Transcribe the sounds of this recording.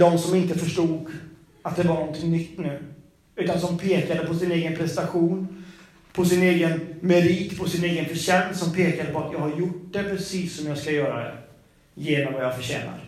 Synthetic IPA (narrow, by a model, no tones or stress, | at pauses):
d̪ɔmsɔmɪnt̪əfœʂʈuːɡ | at̪̚d̪ɛvaɳɔnt̪ʰɪŋnʏkt̪ːnʉ̟ː | ʉ̟ːt̪ansɔmpʰeːkad̪əpʰɔsɪneːɡənpʰɾɛst̪aɧuːn | pʰɔsɪneːɡənmɛɾiːt̪pʰɔsɪneːɡənfəɕɛnsɔmpʰeːkad̪əpɔat̪jɑːɡhaɾjʊʈ̚d̪ɛpʰɾɛsiːsːɔmjɑːɡskajœːɾa̰d̪ɛ̰ | jeːnɔmvajɑːfœɕɛ̰ːna̰ɾ